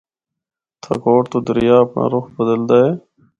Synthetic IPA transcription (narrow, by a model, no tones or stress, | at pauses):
t̪ʰa̰koːʈt̪oːd̪əɾɪjaːəpɳʔa̰ːɾʊxbəd̪əld̪aːeː